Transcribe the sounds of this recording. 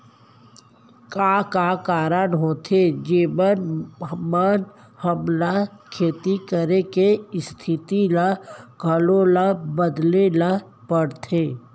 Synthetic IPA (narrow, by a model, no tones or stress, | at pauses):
kaːkakaːɾənɦoːt̪ʰed͡ʒiːʋənmən | həmlakʰeːt̪ikəɾekeɪst̪ʰɪt̪ilaɡʱəlõlabəd̪lela | pəɽt̪ʰeː